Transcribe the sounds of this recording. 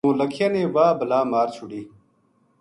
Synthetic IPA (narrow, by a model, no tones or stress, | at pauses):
ũːlɐkʰjɐnẽːwaːbɐlaːmaːɾt͡ɕʰuɽi